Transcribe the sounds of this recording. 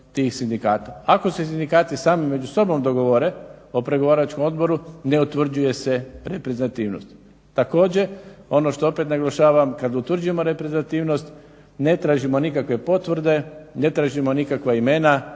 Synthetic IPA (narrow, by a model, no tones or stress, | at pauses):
t̪iːxsind̪ikaːt̪aako̞sesind̪ikaːt̪isaːmimːe̞d͡ʒuso̞bo̞md̪o̞ɡo̞ʋoɾe̞o̞pɾe̞ɡoʋaːɾat͡ʃkomo̞d̪bo̞ɾune̞ut̪ʋr̩d͡ʑuje̞se̞ɾepɾeznat̪iːʋno̰st̪ | t̪ːako̞ːd͡ʑeo̞no̞ʃt̪o̞o̞pet̪naɡlˠaʃaːʋamkad̪ut̪ʋr̩d͡ʒuje̞moɾepɾezat̪iːʋno̞st̪ | ne̞t̪ɾaːʒimo̞nikakʋe̞po̞t̪ʋr̩d̪e̞net̪ɾaːʒimo̞nikakʋaime̞na